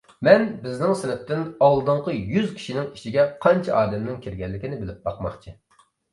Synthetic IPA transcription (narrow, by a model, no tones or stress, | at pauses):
mɛnbɪznɪŋsɪnɪp̚t̪ɪnɑlˠːd̪ɨɴqəjyzkʲʰi̥ʃinɪŋiʃiɡʲɛqʰɑnt͡ʃʰɛʔɑːd̪ɛmnɪŋkʲʰiɾɡʲɛlːɪkʲinɪbɪlɪp̚bɑqmɑ̰χt͡ʃʰi